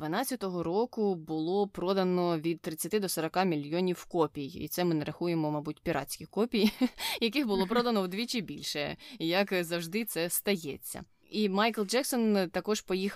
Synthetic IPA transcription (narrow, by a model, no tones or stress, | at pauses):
d̪ʋɐnɑt͡sʲɐt̪ɔɦɔɾɔkʊbʊlˠɔpɾɔd̪ɐnɔʋʲid̪̚t̪ɾɪt͡sʲːɐt̪ɪd̪ɔsɔɾɐkɑmʲilʲjɔnʲiwkɔpʲijḭt̪sɛmɪnɛɾɐxujemɔmɐbutʲpʲiɾɑ̰t͡sʲkʲɪxkɔpʲijjɐkɪxbʊlˠɔpɾɔd̪ɐnɔwd̪ʋʲit͡ʃɪbʲilʲʃɛjɐkzɐwʒd̪ɪt̪sɛst̪ɐjɛt͡sʲːɐ̰ | imɑjklˠd͡ʒɛksɔnt̪ɐkɔʒpɔjix